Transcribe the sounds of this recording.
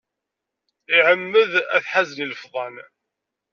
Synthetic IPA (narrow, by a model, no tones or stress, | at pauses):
iʕəmːəðæθħazniləfðˤɑn